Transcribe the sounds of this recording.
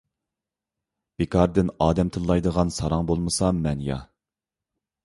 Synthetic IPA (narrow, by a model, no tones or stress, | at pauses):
b̥ekʰɑɾd̪ɪnɑːd̪ɛmt̪ʰɨllːˠɑjd̪əʁɑnsɑɾɑŋbolˠmɨsɑmːɛnjɑ̰